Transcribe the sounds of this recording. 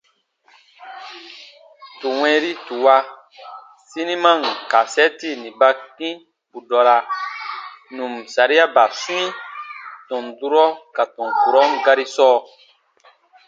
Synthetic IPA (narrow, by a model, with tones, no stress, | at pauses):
tu˨w̃ɛ̃˦ɾi˦tu˨wa˦ | si˦nĩ˦mã˦˨ŋka˨sɛ˦ti˦˨nĩ˨ba˧kĩ˦ | bu˨dɔ˨ɾa˧ | nũ˨msa˨ɾi˦a˦ba˨sũ˦ĩ˦tɔ̃˨ndu˦ɾɔ˦ka˨tɔ̃˨ŋ˨ku˨ɾɔ˦ŋ˦ɡa˦ɾi˦sɔː˦